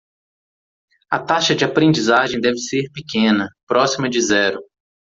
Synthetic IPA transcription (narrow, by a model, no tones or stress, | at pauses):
ɐt̪aʃɐd͡ʒɪapɾẽd͡ʒizaʒẽj̃d̪ɛvɪseɾpɪkẽnɐpɾɔsimɐd͡ʒɪzɛɾʊ